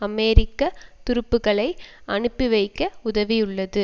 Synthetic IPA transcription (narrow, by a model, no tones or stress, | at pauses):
ɐmɛːɾɪkːɐt̪ʊɾɯpːɯɣɐɭɐɪɐɳɯpːiʋɐɪkːɐʊðɐʋijʊɭːɐðɯ